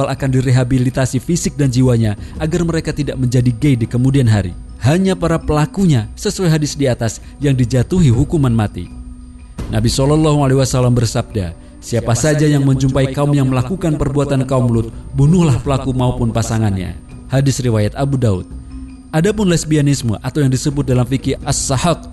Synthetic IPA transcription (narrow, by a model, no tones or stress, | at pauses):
alʔakandiɾeɦabilit̪asifisɪk̚dand͡ʒiwaɲaʔaɡarməɾekat̪idaʔ̚məɲd͡ʒadiɡeidikəmudianɦaɾḭ | haɲapaɾapəlakuɲasəsuajɦadɪsdiat̪as | jaŋdid͡ʒat̪uɦiɦukumanmat̪ḭ | nabisɔlɔlːaɦualewasalambərsab̚da̰ | siapasad͡ʒajaŋməɲt͡ʃumpaikaʊmjaŋməlakukanpərbuat̪ankaumlʊt̪̚bunʊhlahpəlakumaupʊnpasaŋanɲa̰ | hadɪsriwajat̪abudaʊ̰t̪̚ | ʔadapʊnlɛsbianɪsmṵʔat̪awjaŋdisəbʊt̪̚dalamfikɪasːahat̪̚